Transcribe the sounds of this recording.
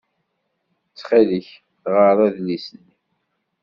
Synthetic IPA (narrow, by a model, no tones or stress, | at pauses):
t͡sːχiðəç | θʁəɾˤæðlisənːi